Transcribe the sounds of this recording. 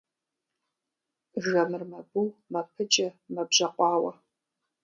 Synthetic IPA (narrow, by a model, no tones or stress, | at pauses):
ʒɐmɨrmɐbuːmɐpʰɨt͡ʃʼɐmɐbʑɐqʷɑːwɐ